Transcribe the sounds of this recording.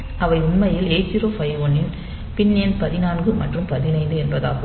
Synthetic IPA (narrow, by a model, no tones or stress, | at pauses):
ʔɐʋɐɪʊnmɐjɪleːt͡ʃːɪɾoːfɐjʋoːnɪn | pɪnːjɐnpɐðɪnaːŋɡɯmɐ̰ʈrɯmpɐðɪnɐɪnd̪ɯɛnbɐða̰ːɣɯ